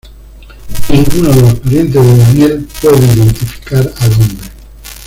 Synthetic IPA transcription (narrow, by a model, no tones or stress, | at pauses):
niŋɡunoðelospaɾjent̪̬ezðeðanjelpweðeiðent̪ifi̥kaɾalombɾe